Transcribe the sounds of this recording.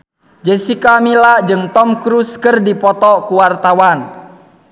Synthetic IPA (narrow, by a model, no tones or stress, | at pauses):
d͡ʒəsikamilad͡ʒɨŋt̪ɔmkɾuskɨrdipɔt̪ɔkuwart̪awan